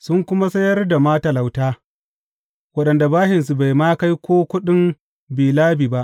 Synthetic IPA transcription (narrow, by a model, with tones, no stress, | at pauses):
sʊ˦ŋkʷʊ˦ma˦sɐ˦jɐ˦rda˨maː˦tɐ˨la˨wtaː˦ | wɐ˦ɗɐ˨nda˨baː˦hɪ˨ns̬u˨ba˨jmaː˦ka˦jkʷoː˦kʷʊ˦ɗɪ˦m | biː˨laː˦biː˨ba˦ʔ